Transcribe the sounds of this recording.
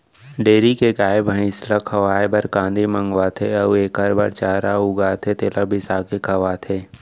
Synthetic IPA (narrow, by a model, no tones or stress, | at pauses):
ɖeːɾikeɡaːɪbə̃ɪ̃slakʰɐʋaːebɐɾkãːnd̪ʱimə̃ŋɡʋat̪ʰeɐeːkaɾba̰ɾt͡ʃaːɾaʊɡaːt̪ʰet̪eːlabʱɪsaːkekʰɐʋaːt̪ʰeː